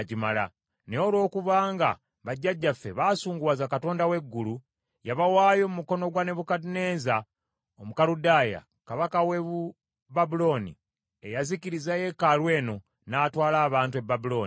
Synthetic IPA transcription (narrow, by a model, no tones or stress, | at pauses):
ɟimala̰ | neolwo̞ːkuβaːŋɡa̰ | βaɟːaɟːafːe̞βaːsuːŋɡuwaːzakato̞ːndawe̞ɡːulu | jaβawaːjo̞mumuko̞no̞ɡwane̞βukadine̞ːza | omukaɾudaja̰ | kaβakaweβu | babulo̞nḭ | ejaziciɾizaje̞kalwe̞ːno̞ | naːtwaːlaːβaːntue̞bːabulo̞ːni